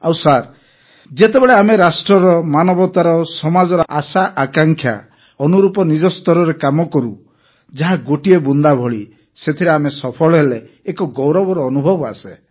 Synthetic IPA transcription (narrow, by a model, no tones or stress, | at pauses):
awsaɾ | d͡ʒet̪ebeɭeameɾasʈɾɔɾɔmanɔbʱɔt̪aɾɔsɔmad͡ʒɔɾɔʔasaʔakaŋkʰja̰ | ɔnuɾupɔnid͡ʒɔst̪ɔɾɔɾekamɔkɔɾu | d͡ʒaɦaɡoʈiebund̪abʱɔɭi | set̪ʰiɾeamesɔpʰɔɭɔɦeleː | kɔɡɔwɾɔbɔɾɔːnubʱɔbɔa̰se